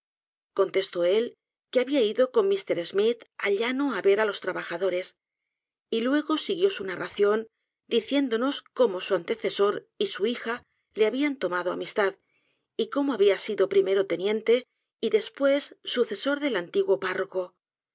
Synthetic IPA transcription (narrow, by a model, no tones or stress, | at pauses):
ko̞nt̪e̞st̪o̞e̞l | keaβiaiðo̞ko̞nmist̪e̞ɾe̞zmit̪aʎanoaβe̞ɾalo̞st̪ɾaβaxaðo̞ɾe̞s | ilwe̞ɣ̞o̞siɣjo̞sunaraθjo̞n | d̪iθje̞nd̪o̞no̞sko̞mo̞suant̪e̞θe̞so̞ɾ | isuixa | le̞aβiant̪o̞maðoa̰mist̪að | iko̞mo̞aβiasiðo̞pɾime̞ɾo̞t̪e̞njẽ̞nt̪e̞ | iðe̞spwe̞sːuθe̞so̞ɾðe̞lant̪iɣwo̞paro̞ko̞